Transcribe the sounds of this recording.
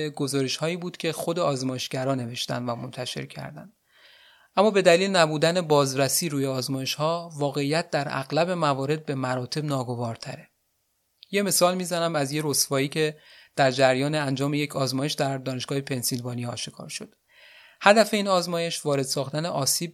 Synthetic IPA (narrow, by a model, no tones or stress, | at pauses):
ɡo̞zɒːɾeʃhɒːiːbuːd̪cʲʰe̞xo̞d̪e̞ɒːzmɒːje̞ʃɟ̥æɾɒːne̞ve̞ʃt̪æ̰nd̪væmo̞nt̪ʰæʃe̞̰ɾcʰæ̰ɾd̪æ̰nd̪ | ʔæmːɒːbe̞d̪æliːlnæbuːd̪æne̞bɒːzɾæsiːɾuːjeɒːzmɒːje̞ʃhɒːvɒːɣe̞iːjæt̪̚ʰd̪̥æɾʔæ̰ɣlæbe̞mævɒːɾe̞d̪̚be̞mæɾɒːt̪ʰe̞bnɒːɡo̞vɒːɾt̪ʰæɾe̞ | je̞me̞sɒːlmiːzænæmæzje̞ɾosvɒːiːcʰe̞d̪̥æɾd͡ʒæɾjɒːneænd͡ʒɒːme̞jecʰɒːzmɒːjeʃd̪æɾd̪ɒːne̞ʃɡ̥ɒːhe̞pʰe̞nsilvɒːniɒːʃekʰɒ̰ːɾʃo̞d̪̥ | hæd̪æfe̞iːnɒːzmɒːje̞ʃvɒːɾe̞d̪̥sɒːxt̪æneʔɒːsiːb̚